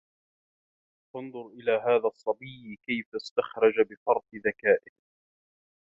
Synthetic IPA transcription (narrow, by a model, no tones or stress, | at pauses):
fɑnðˤʊɾʔɪlaːɦaːðaːsˤːɑbiːkajfast̪axɾˤɑd͡ʒabɪfɑɾˤt̪ðakaːʔɪh